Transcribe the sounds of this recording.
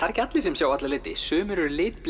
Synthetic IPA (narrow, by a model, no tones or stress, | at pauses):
aɾ̥cat̪lɪsɛmsjaːwat̪lalɪːt̪ɪ̰sʏːmʏɾʏɾlɪːt̪pl